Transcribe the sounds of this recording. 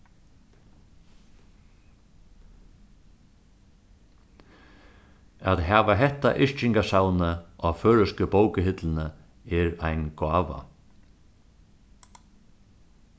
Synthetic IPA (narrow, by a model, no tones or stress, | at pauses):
aðɦaːʋaɦɛht̪ːa̰ʔɪʂt͡ʃɪŋkasawnəafœːɻʏskəbowkəɦɪt̪lɪnə | ɛɾajnɡaːʋa̰